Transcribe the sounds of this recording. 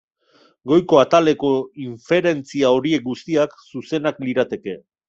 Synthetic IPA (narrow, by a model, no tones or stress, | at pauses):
ɡo̞jko̞at̪ale̞ko̞iɱfe̞ɾe̞nt͡siao̞ɾie̞k̚ɡust̪iaksuse̞nakliɾat̪e̞ke̞